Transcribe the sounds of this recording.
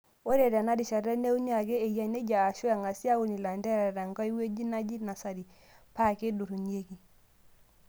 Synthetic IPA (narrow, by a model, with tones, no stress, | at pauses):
o˦ɾe˨ɾɛ˨na˦di˨ʃa˨ɾɛ˦ne˦u˦ɲ˦a˨ɡe˦e˨ja˦ne˦d͡ʒa˨a˨ʃu˦a˨ŋa˨si˦a˦wu˨ni˨la˨ndɛ˦ɾɛ˨ɾa˨ŋɡɔ˦i˦we˦d͡ʒi˦na˦d͡ʒi˦na˨sa˨ɾi˨ | pa˦˨ke˦du˨ɾu˨ni˦e˦ki˨